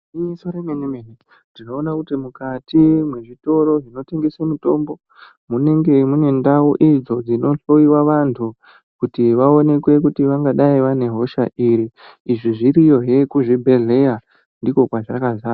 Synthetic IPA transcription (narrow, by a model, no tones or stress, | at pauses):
iisoɾemenimene | dino̞ːnakutimukatimwe̞ʐito̞ɾo̞ʐino̞te̞ŋɡesemuto̞mbo̞ | mune̞ŋɡe̞mune̞ndawoʔid͡zo̞d͡zino̞ɬo̞iwaʋantʰu | kutiʋao̞ne̞kwe̞k̬utiʋaŋɡaɗaiʋane̞ɦo̞ʃaʔiɾiː | ʐiʐiɾijo̞ɦekuʐibʱe̞ɮe̞ja | ndiko̞kwaʐakazaː